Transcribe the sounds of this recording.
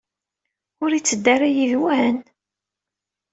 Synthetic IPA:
ʊɾit͡sːəd̪ːaɾajiðwæn

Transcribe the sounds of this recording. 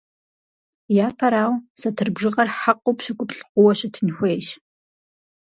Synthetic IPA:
jaːpʰɐɾaːwsɐtʰɨrbʒɨʁɐrħaqowpɕɪɡʷʼʊpɬqʷʊwɐɕɐtʰɨnxʷeːjʃ

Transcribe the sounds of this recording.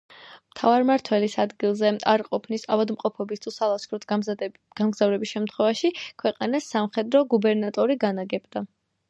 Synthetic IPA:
mt̪ʰavaɾmaɾt̪ʰwɛlisad̪ɡilˠzɛaɾqʼɔpʰnisavad̪mqʼɔpʰɔbist̪ʰusalˠaskʰɾɔt̪ʰ | ɡ̥amɡzavɾɛbisʃɛmt̪ʰχwɛvaʃikʰwɛqʼanasːamχɛd̪ɾɔɡubɛɾnat̪ʼɔɾiɡanaɡɛbd̪a

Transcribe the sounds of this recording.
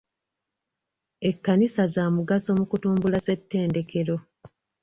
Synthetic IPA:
e̞kːanisazaːmuɡaso̞mukutuːmbulase̞tːe̞ːnde̞kʰe̞ɾo̞

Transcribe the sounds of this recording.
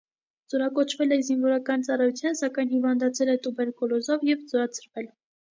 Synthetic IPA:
d͡zɔɾɑkɔt͡ʃʰvɛlɛzinvɔɾɑkɑnt͡sɑrɑjut͡sʰjɑnsɑkɑjnhivɑnd̪ɑt͡sʰɛlɛt̪ubɛɾkɔlɔzɔvjɛvd͡zɔɾɑt͡sʰəɾvɛl

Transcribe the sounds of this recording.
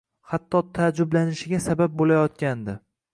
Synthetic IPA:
hat̪ʰːɒt̪ʰad͡ʒʊblanɪʃɪɡʲasabap̚bolajɒt̪kʲand̪ɪ

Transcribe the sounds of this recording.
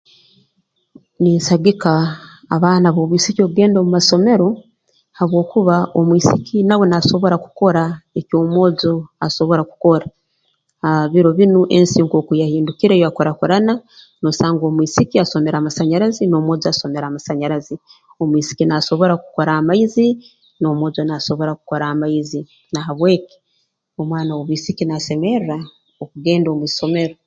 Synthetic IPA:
niːnsaɡikaː | βaːnaβoβwiːsikioβuɡe̞ːndomumaso̞me̞ɾo̞ | haβwo̞ːkuβaʔomwiːsikʰinawe̞naso̞βo̞ɾaku̥ko̞ɾaeko̞ːmwo̞ːzoaso̞βo̞ɾaku̥ko̞ɾa | aβiɾo̞βinuʔensiːŋkokujahiːndukiɾejoakoɾakoɾana | nosaːŋɡo̞ːmwiːsikiaso̞me̞ɾaːmasaɲaɾazino̞ːmwo̞ːzoaso̞me̞ɾaːmasaɲaɾazi | o̞mwiːsi̥kinaso̞βo̞ɾakuko̞ɾahamaizi | no̞mo̞ːzonaso̞βo̞ɾakuko̞ɾahamaizi | naɦaβwe̞ːki̥ | o̞mwaːnawoβwiːsikinase̞me̞ra | okuɡe̞ːndomwiso̞me̞ɾo

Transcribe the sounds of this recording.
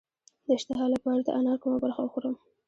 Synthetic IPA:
d̪əɪʃt̪ɪɦɑlapɑɾat̪a̰ʔanɑɾkumabaɾxawəxoɾəm

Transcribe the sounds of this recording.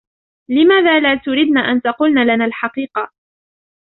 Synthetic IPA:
lɪmaːðaːlaːt̪ʊɾid̪naːʔant̪ɑqʊlnaːlanaːlħɑqiːqɑ

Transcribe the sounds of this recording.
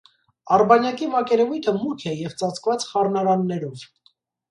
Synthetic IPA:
ɑrbɑnjɑkimɑkɛɾɛvujt̪ʰəmukʰɛjɛvt͡sɑt͡sʰkvɑt͡sχɑrnɑɾɑnːɛɾɔv

